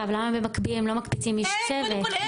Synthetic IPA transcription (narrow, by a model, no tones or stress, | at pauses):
avlamabemakbilemlo̞makbit͡simːiʃt͡sevet